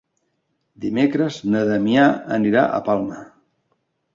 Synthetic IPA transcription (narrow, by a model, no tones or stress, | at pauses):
d̪imekɾəznəðəmijaə̰niɾa̰ʔə̰palˠmə